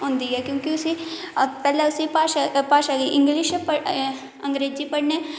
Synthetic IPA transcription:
ɦʊ̃ːnd̪iɦɛkjõːkiʊsi | pɛːleʊsipaːʃpaːʃaːɡiʔɪ̃ŋɡlɪʃpɐ | ɐ̃ŋɡɾeːd͡ʒipɐɽneː

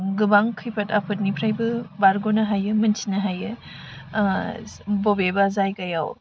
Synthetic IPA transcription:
ɡɯbaŋkʰɯjpʰɐtapʰɯt̚nipʰɾajbɯbaɾɡonɐɦajɯmɯnsi̥nɐɦajɯ | bobebazajkajaw

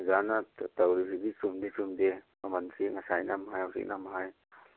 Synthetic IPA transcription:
zanatawɾisiɡisumdesumdemɐmɐnsiŋɐsajnamhajawsḭk̚namɦaj

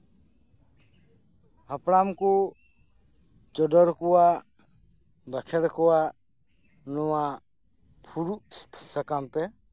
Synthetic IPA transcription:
əpɽamku | t͡ʃɔɖɔɾkua | b̪əkʰɛɽkɔwa | nɔwa | pʰuɾust̪ʰsəkamt̪ɛ

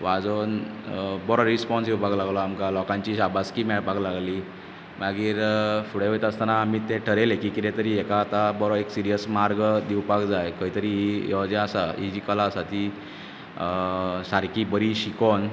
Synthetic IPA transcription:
ʋad͡zonbɔɾɔɾispɔnsiwbʱaɡlaɡlɔamkalɔkãɲt͡ɕiɕabaskiːmɛɽbʱaɡlaɡliː | maɡiːɾfuɽeʋejt̪aəst̪anaːmiːt̪eʈʰəɾelekiːkit̪ɛ̃t̪əɾiːekaːt̪abɔɾɔeksiɾijəsmaɾɡd̪iwpakd͡zajkəɦit̪əɾiːɦijɔd͡ʑɛasaɦid͡ʑiːkəlaːsat̪i | saɾkibəɾiɕikon

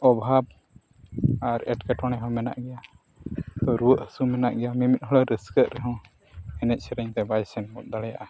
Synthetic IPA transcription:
ɔbʱab̚ | aɾɛ̰ʈkɛʈɔɽ̃ɛɦɔ̃mɛna̰ʔɡɛja | t̪ɔɾuwəʔhəsumɛna̰ʔɡɛjamimit̪̚ɦɔɽɔɾəskəʔ̪̚ɾɛɦɔ̃ | ɛnɛt̪̚ˀsɛɾɛɲt̪ɛbajsɛnmɔt̪̚d̪aɽɛja̰ʔa

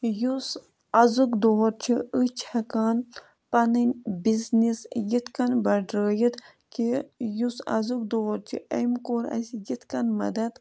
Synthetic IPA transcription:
jus | ɐzɨkd̪oːɾt͡ʃʰiət͡ʃʰɐkaːn | pɐnɨnʲbiznisjit̪kɐnbɐɖɾəːjit̪ | kijusɐ̰zɨk̚d̪oːɾt͡ʃʰḭʔɐmkoːɾɐ̰sʲijit̪ʰkɐnmɐd̪ɐt̪

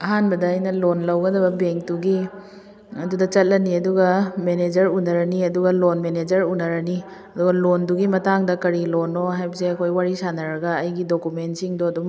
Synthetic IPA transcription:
ɐɦanbɐdɐːjnɐlonlɐwɡɐdɐbɐbeŋk̚tuɡi | ɐdudɐt͡ʃɐt̚lɐniɐduɡɐmened͡ʒɐɾunɐɾɐniɐduɡɐlonmened͡ʒɐɾunɐɾɐni | ɐduɡɐlonduɡimɐtaŋdɐkɐɾilonoɦajbɐseɐkʰojwaɾisanɐɾɐɡɐːjɡidokumentsiŋdoɐdum

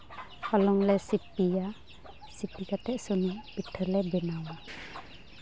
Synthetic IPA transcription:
hɔlɔŋlɛsipija | sipikat̪ɛʔsɔnibiʈʰəlɛbɛnawa

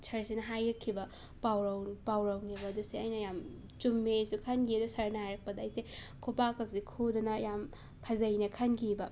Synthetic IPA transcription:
t͡ʃʰɐɾsinɐɦajɾɐkʰːibɐ | pawɾɐwpawɾɐwnibɐdusiɐjnɐjam | t͡ʃumːesukʰɐnɡiɐdusɐɾnaajɾɐk̚pɐdɐːjsekʰupakʰɐk̚sikʰodɐnɐjam | pʰɐzɐjnɐkʰɐnɡibɐ

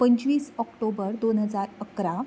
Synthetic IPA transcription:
pəɲt͡ɕʋiːsɔkʈobəɾd̪onɦəd͡zaɾəkɾa

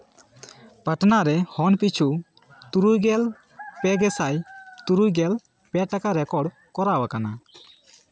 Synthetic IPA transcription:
paʈnaɾɛhɔnpit͡ʃʰu | t̪uɾujɡɛl | pɛɡɛsajt̪uɾujɡɛl | pɛʈakaɾɛkɔɽ | kɔɾawakana

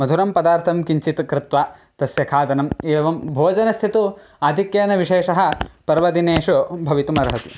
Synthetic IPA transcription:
mɐd̪ʱuɾɐmpɐd̪aːɾt̪ʰɐmkiɲt͡ʃit̪kɾɪt̪ʋaː | t̪ɐsjɐkʰaːt̪ɐnɐmeːʋɐmbʱoːd͡ʒɐnɐst̪ʰit̪u | aːd̪ʱikjeːnɐʋiʂeːʂɐɦɐ̆pɐɾʋɐd̪ineːʂɐbʱɐʋit̪umɐɾɐɦɐt̪ḭ

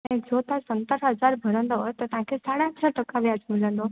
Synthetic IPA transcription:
ed͡zot̪ãsənt̪əɾɦəd͡zaɾbʱəɾə̃nd̪ɔt̪ət̪ãkʰesaɽjãt̪ɾaʈəkaʋjad͡zmilənd̪o

